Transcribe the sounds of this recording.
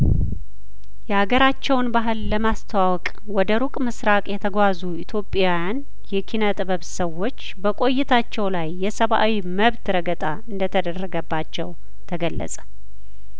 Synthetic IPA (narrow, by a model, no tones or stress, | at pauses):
jɛhaɡəɾat͡ʃːɛwnbaɦɨlːəmast̪ʰəwawɔkʼ | wɔd̪əɾukʼmɨsɾakʼjɛt̪ʰəɡʷazuit̪ʰjo̞pʼːjawjan | jɛkʰinat̪ʼɨβəβsəwːo̞t͡ʃːbəkʼo̞jːɪt̪ʰat͡ʃːɛwlajːɛsəβʔa̰wiməβt̪ɾəɡət̪ʼaɨnd̪ət̪ʰəd̪ərːəɡəbːat͡ʃːɛw | t̪ʰəɡəlːə̰sʼə̥